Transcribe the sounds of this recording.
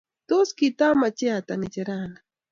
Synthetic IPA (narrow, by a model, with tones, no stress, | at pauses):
t̪o˦ski˨t̪a˦ma˨t͡ʃɛ˦a˨t̪anɪ˨t͡ʃɛ˨ɾana˨